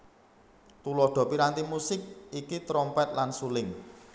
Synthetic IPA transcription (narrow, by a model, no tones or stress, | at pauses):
t̪ulɔɖ̪̥ɔ̤piɾant̪imusɪk̚ikit̪ɾɔmpɛt̪̚lansulɪŋ